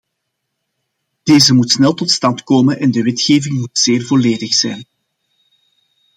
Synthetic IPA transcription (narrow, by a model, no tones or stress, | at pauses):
d̥eːzəmutsnɛlˠtɔtstɑntkoːmənʔɛndəʋɛtxeːvɪŋmutz̥eːrvoleːdəxsɛjn